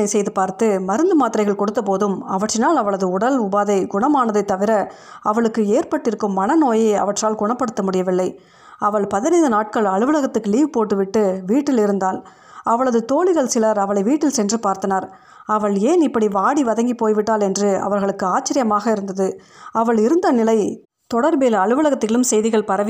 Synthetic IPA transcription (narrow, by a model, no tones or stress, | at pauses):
ɐɪsɛjðɯpaːɾt̪ɯmɐɾɯnd̪ɯmaːt̪ɪɾɐɪɣɐɭkɔɽɯt̪ːɐpoːðɯmɐʋɐʈrɪnaːlɐʋɐɭɐðɯʊɽɐlʊbaːðɐɪɡʊɳɐmaːnɐðɐɪt̪ːɐʋɪɾɐ | ɐʋɐɭɯkːɯeːɾpɐʈːɪɾɯkːɯmːɐnɐnoːjeɐ̰ʋɐʈraːlɡʊɳɐpːɐɽɯt̪ːɐmʊɽɪjɐʋɪlːɐɪ | ɐʋɐɭpɐðɪnɐɪnd̪ɯnaːʈ̚kɐɭɐɻɯʋɯlɐɣɐt̪ːɯkːɯliːʋɯpoːʈːɯʋɪʈːɯʋiːʈːɪlɪɾɯnd̪aːl | ɐʋɐɭɐðɯt̪oːɭɪɣɐɭsɪlɐɾɐʋɐɭɐɪʋiːʈːɪlsɛndrɯpaːɾt̪ɐnaːɾ | ɐʋɐɭeːnɪpːɐɽiʋaːɽiʋɐðɐŋɡipoːjʋɪʈːaːlɛndrɯɐ̰ʋɐɾɣɐɭɯkːɯaːt͡ʃːɪɾɪjɐmaːɣɐɪɾɯnd̪ɐðɯ | ɐʋɐɭɪɾɯnd̪ɐnɪlɐɪ | t̪ɔɽɐɾbeːlɐɭɯʋɯɭɐɣɐt̪ːɪɣɐlɯmsɛjðɪɣɐɭpɐɾɐʋ